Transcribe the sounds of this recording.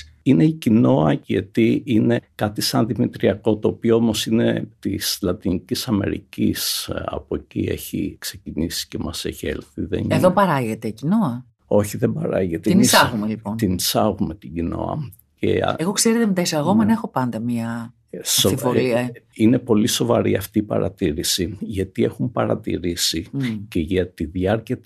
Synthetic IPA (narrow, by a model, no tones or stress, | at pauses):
ine̞icino̞ɐʝɐ̰t̪iine̞kɐt̪isɐnðimit̪ɾiɐko̞t̪o̞ːpioomo̞sinḛt̪islɐt̪inicisɐme̞̰ɾḭcḭsɐ̰pocḭḛçḭkse̞cinisi̥ce̞mɐsḛçḛlθiðḛnieðopɐɾɐʝe̞t̪ecinoɐ | o̞çiðebɐɾɐ̰ʝet̪einisɐɣumelipont̪inisɐɣume̞t̪iɟino̞̰ɐ̰ | cḛeɣo̞kseɾet̪emet̪ɐisɐɣomenɐexo̞pɐnd̪ɐmɲɐ | soifoɾiɐine̞po̞liso̞vɐɾiɐft̪iːpɐ̰ɾɐ̰t̪iɾisiʝɐt̪ie̞xumpɐɾɐ̰t̪ḭɾisiceʝɐt̪iðjɐɾciɐ